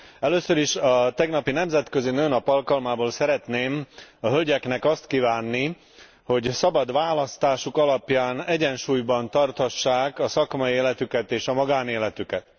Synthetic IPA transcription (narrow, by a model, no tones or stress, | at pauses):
ɛløːsøɾiʃɒt̪ɛɡnɒpinɛmzɛt̪kø̞zinøːnɒpɒlkɒlmaːboːlsɛɾɛt̪neːmɒɦølɟɛknɛkɒst̪kivaːnːi | ho̞ɟsɒbɒd̪ʋaːlɒst̪aːʃukɒlɒpjaːnɛɟɛnʃuːjbɒnt̪ɒrt̪hɒʃːaːkɒsɒkmɒjieːlɛt̪ykɛt̪eːʃɒmɒɡaːneːlɛt̪ykɛt̪